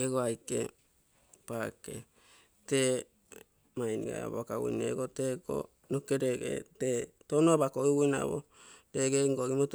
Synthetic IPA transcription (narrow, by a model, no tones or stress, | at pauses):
eɡoajkḛ | pakḛ | te | majniɡa̰a̰boakawṵjnḛɡoteɡo̰ | nokeɾeɡḛtetonoabakoiwujna̰bo̰ | deɡeŋɡoɡimot